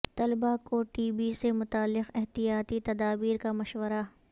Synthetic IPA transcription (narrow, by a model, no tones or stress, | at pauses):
t̪ɐlbakoʈiːbisemʊt̪aːlːɪqɪɦt̪ijaːt̪it̪ɐd̪aːbiːɾkamɐʃwəɾa